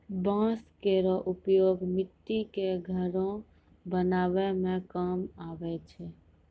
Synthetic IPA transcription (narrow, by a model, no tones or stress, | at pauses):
bãskeɾɔʔupjoːɡmɪt̪ːikeɡʱəɾõ | bənaːʋɛmẽkəmaːʋɛt͡ʃʰɛ